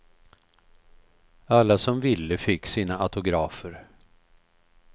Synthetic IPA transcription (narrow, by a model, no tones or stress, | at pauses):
alːasɔmvɪlːəfɪkːsiːnaʔat̪ʊɡɾɑːfəɾ